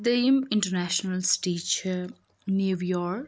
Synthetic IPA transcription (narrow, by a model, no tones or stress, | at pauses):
d̪emɪ̃ɳʈəɾnæʃnəlsʈiːt͡ʃ | njuʋjɔːɾk